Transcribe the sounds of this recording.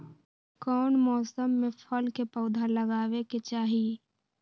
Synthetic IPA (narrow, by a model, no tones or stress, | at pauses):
kɔːnmɔːsəmːẽpʰəlkepəʊd̪ʱaləɡaːweket͡ʃaːɦi